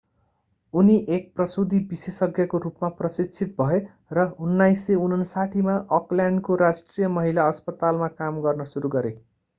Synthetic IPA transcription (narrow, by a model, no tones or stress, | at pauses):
uniʔek̚prʌsud̪ʱibisesʌɡʱjʌkorupmaprʌsit͡sʰit̪̚bʱʌe | rʌunːajsːeunʌnsaʈʰimaʔʌkljaɳɖkoɾasʈrijʌmʌɦilaʌspʌt̪almakamɡʌrnʌsuɾuɡʌɾe